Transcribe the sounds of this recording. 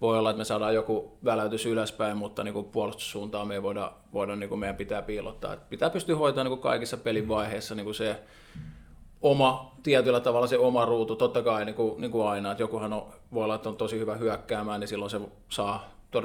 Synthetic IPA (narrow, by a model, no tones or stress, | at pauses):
ʋoiolːɑet̪mesɑːdɑːjokuʋæløt̪ysyløspæimmut̪ːɑniːŋkupuolust̪u̥ssuːnt̪ɑːmeiʋoidɑ̰ | ʋoidɑnniːŋkumeijæmpit̪æːpiːlo̰t̪ːɑ̰ːḛt̪pit̪æːpyst̪yhoit̪ɑːniːkukɑ̰ikisːɑpeliʋʋɑiheːsːɑniːŋkuse | omɑt̪iæt̪ylːˑæt̪ɑʋɑlːˑɑseomɑruːt̪ut̪ot̪ːɑkɑiniːkuniːŋkuɑinɑet̪jokuhɑno | ʋoˑiolːɑet̪ːˑont̪osihyʋæhyækːæːmæːnnisilːonse | sɑː | t̪or